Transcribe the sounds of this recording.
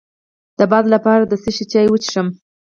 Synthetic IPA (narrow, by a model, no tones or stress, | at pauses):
d̪̥əbɑd̪lapɑɾad̪əseʃet͡ʃɑjwət͡ʃʂəm